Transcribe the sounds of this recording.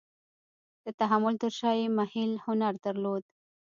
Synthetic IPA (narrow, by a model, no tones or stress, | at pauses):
d̪̥ət̪aɦamʊlt̪əɾʃɑjemahɪlhʊnaɾd̪əɾlod̪